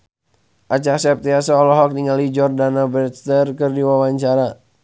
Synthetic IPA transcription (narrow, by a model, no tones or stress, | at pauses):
ʔat͡ʃasɛp̚t̪iasɔɔlɔɦɔk̚niŋalid͡ʒɔrdanabɾɛt̪st̪ərkɨrdiwawaɲt͡ʃaɾa